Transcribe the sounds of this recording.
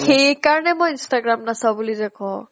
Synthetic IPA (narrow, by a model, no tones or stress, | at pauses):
xejkaɹɔnɛmɔjinstaɡɹamnasawbulizakʰɔ̃